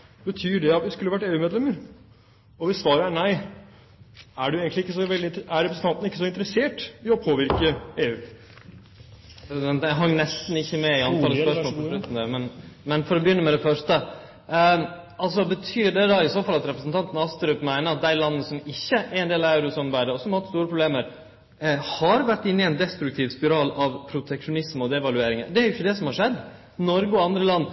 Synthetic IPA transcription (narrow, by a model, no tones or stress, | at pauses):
bət̪ʰyːɖɛɑt̪ʋɪskʉlːəʋæʈːeːʉːmeːd̪lɛmːəɾ | ɔʋɪsʋɑːɾəæɳæɪ | æɖʉeːɡənlɪɪkːəsɔʋɛld̪ɪæɾɛpɾsn̩t̪ɑnt̪nɪkːəsɔɪnt̪əɾəseːʈɪɔpʰoːʋɪɾkəeːʉː | sd̪ɛnt̪æɦɑŋːnɛst̪n̩ɪçːəmɛɪɑnʰɑːləspœʂmoːləɔlʉt̪ːən̩d̪æmɛnmɛnfɔɾɔbəjʏnːəmɛd̪ɛfœʂʈə | ɑls̬ɔbət̪ʰyːɖɛd̪ɑɪsoːfɑlɑt̪ɾɛpɾəsnt̪ʰɑnt̪nɑɑst̪əɾœpmæɪnəɾɑt̪̚d̪æɪlɑnːəsɔmɪçːəʔæɾɛnd̪eːlɑæʉɾʊsɔmbæɪd̪əɾɔsɔmɑɾhɑt̪st̪uːɾəpɾʊbleːməɾ | hɑɾʋæʈːɪnːɪɛɪnd̪ɛst̪ɾʉk̚t̪ʰiːʋspɪɾɑːlɑʋpʰɾʊt̪ʰɛkʂʊnɪsməɔd̪ɛʋɑlʉeːɾɪŋəd̪ɛæɾjʊɪçːəd̪ɛsɔmhɑɾʂɛd̪ː | nɔɾɡəɔɑnd̪ɾəlɑnː